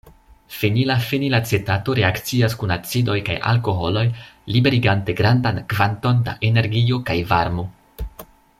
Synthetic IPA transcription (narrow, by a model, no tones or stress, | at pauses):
fenilafenilat͡se̞tato̞ɾe̞akt͡siaskunat͡sido̞jka̰jʔa̰lko̞ɦo̞lo̞jlibe̞ɾiɡante̞ɡɾandankvanto̞nda̰ʔene̞ɾɡio̞kajvaɾmo̞